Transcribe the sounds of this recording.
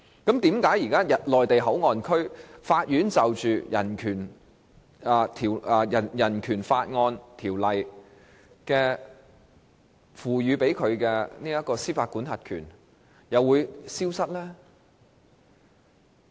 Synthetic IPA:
kɐ˨˥mt̪iː˨˥mkaː˨˥jiː˨˩kaː˥jɐ˨t̚lɔː˨jt̪e˨jɦɐ˨˥wŋɔː˨nkʰɵ˥ɥfaː˧t̚jyː˨˥nt͡sɐ˨wt͡ʃyː˨jɐ̰˨˩nkʰyː˨˩n | ɛː˨˧t̪ʰiː˨˩wjɐ˨˩jɐ˨˩nkʰyː˨˩nfaː˧t̚ŋɔː˧nt̪ʰiː˨˩wlɐ˨j | kɛː˧ | fuː˨˩ɥyː˨˧pe˨˥jkʰɵ˨˧ɥkɛː˧niː˥jɐ˥t̚kɔː˧siː˥faː˧t̚kuː˨˥nhɐ˨t̚kʰy̰ː˨˩n | jɐ˨wːuː˨˧jsiː˥wsɐ˥t̚lɛː˥

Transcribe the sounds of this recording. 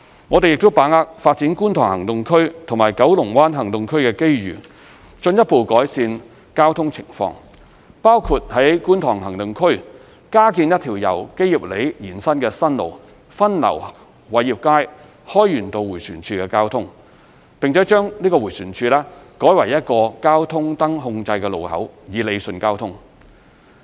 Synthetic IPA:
ŋɔ˨˧te˨jɪ˨k̚t̪o˥wpaː˨˥ŋaː˧k̚faː˧t̚t͡siː˨˥nkuː˥nt̪ʰɔː˨˩ŋhɐ˨˩ŋt̪ʊ˨ŋkʰɵ˥ɥt̪ʰʊ˨˩ŋmaː˨˩jkɐ˨˥wlʊ˨˩ŋwaː˥nɦɐ˨˩ŋt̪ʊ˨ŋkʰɵ˥ɥkɛː˧ke˥jjy̰ː˨˩ | t͡ʃɵ˧njɐ˥t̚po˨˧wkɔː˨˥jsiː˧n | kaː˥wt̪ʰʊ˥ŋt͡sʰɪ˨˩ŋfɔ̰ː˧ŋ | paː˥wkʰuː˧t̚hɐ˨˥jkuː˥nt̪ʰɔː˨˩ŋɦɐ˨˩ŋt̪ʊ˨ŋkʰɵ˥ɥ | kaː˥kiː˧njɐ˥t̚t̪ʰiː˨˩wjɐ̰˨˩wke˥ji˨˩p̚le˨˥jjiː˨˩nsɐ˥nkɛː˧sɐ˥nlo̰˨˩w | fɐ˥nlɐ̰˨˩w | wɐ˨˥jiː˨p̚kaː˥j | hɔː˥jːyː˨˩nt̪o˧wuː˨˩syː˨˩nt͡ʃʰyː˧kɛː˧kaː˥wt̪ʰʊ˥ŋ | pɪ˨ŋt͡sʰɛː˨˥t͡ʃœː˥ŋliː˥kɔː˧wu˨˩jsyː˨˩nt͡ʃʰyː˧lɛː˥kɔː˨˥jwɐ˨˩jːɐ˥t̚kɔː˧kaː˥wt̪ʰʊ˥ŋt̪ɐ˥ŋɦʊ˧ŋt͡sɐ˧jkɛː˧lo˨whɐ̰˨˥wjiː˨le˨˧jsɵ˧nkaː˥wt̪ʰʊ˥ŋ

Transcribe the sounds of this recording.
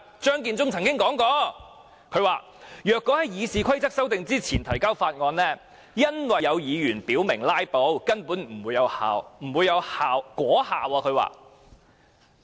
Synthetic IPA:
t͡ʃœː˥ŋkiː˧nt͡sʊ˥ŋt͡sʰɐ˨˩ŋkɪ˥ŋkɔː˨˥ŋkɔː˧ | kʰɵ˨˧˥ɥwa̰ː˨ | jœː˨kːɔː˨˥hɐ˨˦jjiː˨˧siː˨kʰɐ˥jt͡sɐ˥k̚sɐ˥wt̪ɪ˨˧ŋt͡siː˥t͡sʰiː˨˩nt̪ʰɐ˨˩jkaː˥wfaː˧t̚ŋɔː˧nlɛː˥ | jɐ˥nwɐ˨jɐ˨˧wjiː˨˧jyː˨˩npiː˨˥wmɪ˨˩ŋlaː˥jpo˨˥wkɐ˥npuː˨˥nm̩˨˩wuː˨˧jɐ˨˧wha̰ː˨wm̩˨˩wuː˨˧jɐ˨˧whaː˨wkʷɔː˨˥haː˨wɔː˧kʰɵ˨˧ɥwa̰ː˨

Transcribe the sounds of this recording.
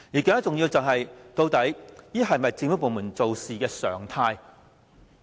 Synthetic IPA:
jiː˨˩kːŋɐ˥t͡sʊ˨ŋjiː˧wt͡sɐ˨wɦɐ˨jt̪o˧wt̪ɐ˨˥jjiː˥ɦɐ˨jmɐ˨jt͡sɪ˧ŋfu˥po˨wmuː˨˩nt͡so˨wsiː˨kɛː˧sœ̰ː˨˩ŋt̪ʰaː˧j

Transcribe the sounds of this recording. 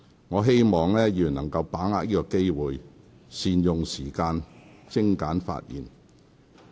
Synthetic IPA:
ŋɔː˨˧ɦe˥jmɔː˨ŋlɛː˥jiː˨˧˨nːɐ̰˨˩ŋkɐ˧wpaː˨˥ŋaː˧k̚jiː˥kɔː˧ke˥jwuː˨j | siː˨˧njʊ˨ŋsiː˨˩kaː˧nt͡sɪ˥ŋkaː˨˥nfa̰ː˧t̚jiː˨n

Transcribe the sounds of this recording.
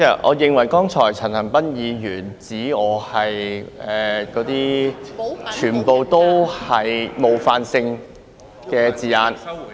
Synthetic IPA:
ɛ˥˩ʔɔ̰ː˨˧jɪ˨ŋwɐ˨˩jkɔː˥ŋt͡sʰɔː˨˩jt͡sʰɐ˨˩nhɐ˨˩ŋpɐ˥njiː˨˧jyː˨˩nt͡siː˨˥ɔː˨˧hɐ˨jɛː˨kɔː˨˥t̪iː˥ | t͡ʃʰyː˨˩npo˨˧wt̪o˥whɐ˨˩jmo˨˧wfaː˧nsɪ˧ŋ | kɛː˧t͡siː˨˩jaː˨˧n

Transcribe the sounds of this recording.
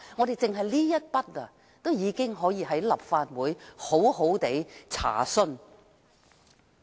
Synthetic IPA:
ŋɔː˨˧de˨jt͡sɪ˨ŋɦɐ˨jliː˥jɐ˥t̚pɐ˥t̚la˧ | t̪o˥wjiː˨˧kɪ˥ŋɦɔː˨˥jiː˧ɦɐ˨˥jlɐ˨p̚faː˧t̚wuː˨˧jho˨˥who˨˥wt̪e˨˥jt͡sʰa̰ː˨˩sɵ˥n

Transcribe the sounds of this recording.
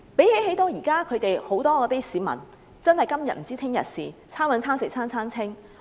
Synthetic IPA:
pe˨˥jhe˨˥jɦe˨˥jt̪oː˨˧jiː˨˩kaː˥kʰɵ˨˧ɥt̪e˨jho˨˥wt̪ɔː˥ɔː˨˧t̪i˥siː˨˧mɐ̰˨˩n | t͡sɐ˥nhɐ˨jkɐ˥mjɐ˨t̚m̩˨˩t͡siː˥t̪ʰɪ˥ŋjɐ̰˨t̚sḭː˨t͡sʰaː˥nwɐ˨˧nt͡sʰaː˥nsɪ˨k̚t͡sʰaː˥nt͡sʰaː˥nt͡sʰɪ˥ŋ

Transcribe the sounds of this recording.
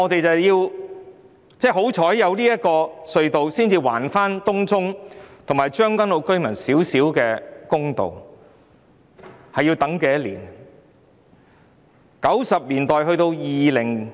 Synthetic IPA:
ŋɔː˨˧t̪e˨jt͡sɐ˨wjiː˧w | t͡sɛː˥ɦo˨˥wt͡ʃʰɔː˨˥jːɐ˨˧wliː˥jɐ˥t̚kɔː˧sɵ˧ɥt̪o˨wsiː˥nt͡siː˧wa̰ː˨˩nfaː˥nt̪ʊ˥ŋt͡sʊ˥ŋt̪ʰŋmaː˨jt͡ʃœː˥ŋkɐ˥nlo˨˧wkɵ˥ɥmɐ˨˩nsiː˨˥wsiː˨˥wkɛː˧kʊ˥ŋt̪o̰˨w | hɐ˨jːiː˧t̪ɐ˨˥ŋkɛː˧jɐ˥lḭː˨˩n | kɐ˨˥wsɐ˨p̚liː˨˩nt̪ɔː˨jɦɵ˧ɥt̪o˧wjiː˨lɪ˨˩ŋ

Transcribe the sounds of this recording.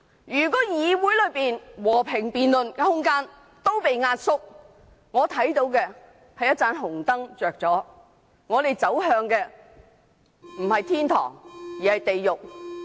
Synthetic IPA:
jyː˨˩kɔː˨˥jiː˨˧wuː˨˥jlɵ˨˧ɥpiː˨nwɔː˨˩pʰɪ˨˩ŋpiː˨nlɵ˨nkɛ˧hʊ˥ŋkaː˥n | t̪o˥wpe˨jŋaː˧t̚sʊ˥k̚ | ŋɔː˨˧t̪ʰɐ˨˥jt̪o˨˧wkɛː˧ | hɐ˨jɐ˥t̚t͡saː˨˧˥nɦʊ˨˩ŋt̪ɐ˥ŋt͡ʃœː˨k̚t͡sɔː˨˥ | ŋɔː˨˧le˨jt͡sɐ˨˥wɦœː˧ŋkɛː˧ | m̩˨˩hɐ˨jt̪ʰiː˥nt̪ʰɔ̰ː˨˩ŋjiː˨˩hɐ˨jt̪e˨jjʊ˨k̚

